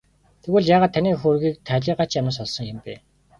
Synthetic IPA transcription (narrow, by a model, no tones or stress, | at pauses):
t̪ʰeɣuːɮjaːʁaːt̪ʰːaniːxoːrɣiːk̚t̪ʰæːɮʲiːɢat͡ɕjamə̆sɔɮsɞ̆ŋjɪmpeː